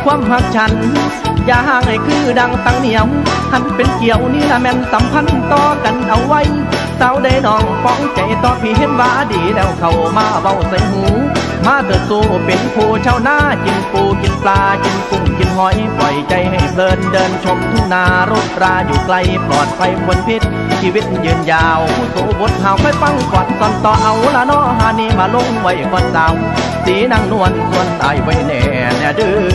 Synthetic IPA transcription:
kʰwaː˧˥˨mha˧˥k̚t͡ɕʰa˧˩n | jaː˧˩ɦaː˧˩˨ŋha˨˩jkʰɯː˧˩da˧ŋt̪a˧˨ŋni˧˩˦əwmha˧˩npe˨˦nki˨əwniː˧˥˩laː˧mɛ˧nsa˨˦mpʰa˧˥˨n˨t̪ɔː˧ka˨˦nʔa˧˦wwa˧˨j | sa˧˥wda˧˩jnɔː˧˩ŋpɔ˧˥ŋt͡ɕa˨˩jt̪ɔː˧˦pʰiː˧ɦe˧˥˨t̚waː˧diː˨˩lɛː˧˩wkʰa˧˩wmaː˧˩ba˧˩˨wsa˧˨˦jɦuː˨˦ | maː˧˨t̪ʰɯ˨˧˩t̚soː˧˨˩pe˨nkʰoː˧˩t͡ɕʰaː˧˨wnaː˧˩ki˧npuː˧ki˧˦nplaː˧ki˧nku˧˩ŋki˧nɦɔ˧˦jpɔ˨˩jt͡ɕa˧jɦa˨˩jp̪ʰɤː˧ndɤː˧nt͡ɕʰo˧˥p̚t̪ʰu˧˩ŋnaː˧ɾoː˧˩t̪̚ɾaː˧juː˨˩kla˧jplɔː˨˩t̪̚pʰa˧jkʰu˧ənpʰi˧˥t̪̚ | t͡ɕʰiː˧wi˦˥˩t̪̚jɯː˧njaː˧wpʰuː˧˩suː˨˦bo˨˦t̪̚haː˧˩wkʰɔː˧˥˨jfa˧˥˨ŋkɔː˨˩t̪̚sɔ˧nt̪ɔː˧ʔa˧wlaː˧nɔː˧˥˩ɦaː˧˩neː˧maː˧lo˧˨ŋwa˧˩jkɔː˧˩nsaː˨˧˦w | siː˨˦naː˧˨ŋnu˧˩ənsu˧ənla̰ː˨˩jwa˧˦jnɛ̰ː˨˩˨nɛː˧˩dɯ˧˩

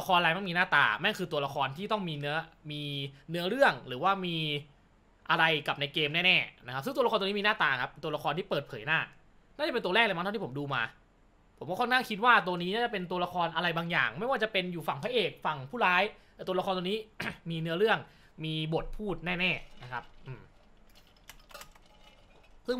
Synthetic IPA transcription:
la˧xʰɔː˧nla˧jma˥˩jmiː˧naː˥˩t̪a̰ː˨˩ma˥˩kʰɯː˧t̪u˧ɐla˧kʰɔː˧nt̪ʰiː˥˩t̪ɔ˥˩ŋmiː˧nɯ˦˥ɐmiː˧nɯ˦˥ɐɾɯ˥˩əŋɾɯː˩˦waː˥˩miː˧ | ʔa˧ɾa˧jka˨˩p̚na˧jkeː˧mnɛː˥˩nɛː˥˩na˦kʰa˦p̚sɯ˥˩ŋu˧lːt̪ːni˦˥iː˧naː˥˩t̪aː˨kʰa˦˥pːe˧nt̪u˧ɐ˧la˧xɔː˧nt̪ʰiː˥˩pɤː˨˩t̪̚pʰɤː˩˦jnaː˥˩ | naː˥˩a˨˩pe˧nt̪u˧ɾɛː˥˩k̚la˧ma˦˥˧iː˥˩˦duː˧maː˧ | pʰo˩˦mkɔ˥˩ɔ˥nkʰaː˥˩ŋkʰi˦˥t̪̚waː˥˩t̪u˧əniː˦˥naː˥˩t͡ɕa˨˩pe˧nt̪̬u˧ɐla˧kʰɔː˧nʔa˧ɾa˧jbaː˧ŋja̰ː˨˩ŋma˥˩jwaː˥˩t͡ɕa˨˩pe˧njuː˨˩fa˨˩ŋpʰaː˦˥ʔeː˨˩k̚fa˨˩ŋpʰuː˥˩ɾaː˦˥jt̪ɛː˨˩t̪ːlxɔː˧nt̪ːniː˦˥miː˧nɯ˦˥ɐɾɯ˥˩əŋ | miː˧bo˨˩t̪̚pʰuː˥˩t̪̚nɛː˥˩nɛː˥˩na˦˥kʰa˦˥p̚ʔɯː˨˧˩m | sɯ˥˩ŋ

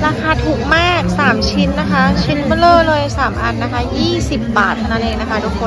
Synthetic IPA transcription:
ɾaː˧kʰaː˧t̪ʰuː˨˩k̚maː˥˩k̚saː˩˦mt͡ɕʰi˦˥nːa˦˥kʰa˦˥t͡ɕʰi˦˥n˥lɤː˧˥˩lɤː˧jsaː˩˦mʔa˧nːa˦˥kʰa˦˥jiː˥˩si˨˩p̚baː˨˩t̪̚ːna˦˥˩nʔeː˧ŋ̚na˦˥kʰa˦˥duː˧˩kʰːo˧

